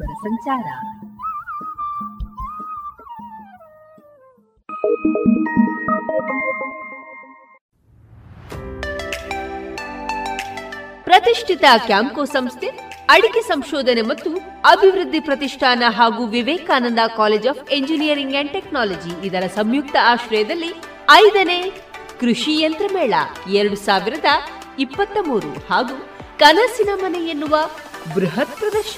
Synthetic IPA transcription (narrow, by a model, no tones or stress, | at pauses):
ɾɐsɐɲt͡ʃaːɾɐ | pɾɐt̪iʂʈʰit̪ɐkjaːmkoːsɐmst̪ʰeɐɽikesɐmʃɔːd̪ɐnemɐt̪ːu | ɐbʱiʋɾɨd̪ʱːipɾɐt̪iʂʈʰaːnɐɦaːɡuːʋiʋɛːkaːnɐnd̪ɐkaːleːd͡ʒaːpʰeɲd͡ʒinijɐɾiŋɡɛɳɖʈeknaːlod͡ʒiːd̪ɐɾɐsɐmjuk̚t̪ɐaːʃɾɐjɐd̪ɐlːi | ɐjd̪ɐneː | kɾuʂijɐnt̪ɾɐmɛːɭɐ̰ɛɾɐɽusaːʋiɾɐd̪ɐ | ipːɐt̪ːɐmuːɾṵhaːɡuːkɐnɐsinɐmɐnɛjenːuʋɐ | bɾuɦɐt̪̚pɾɐd̪ɐɾʃɐ